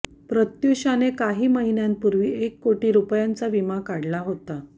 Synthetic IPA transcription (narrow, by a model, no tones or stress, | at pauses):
pɾət̪juɕanekaɦiːməɦinjanpuɾʋiːekːoʈiːɾupjant͡saʋimakaɽlaɦot̪a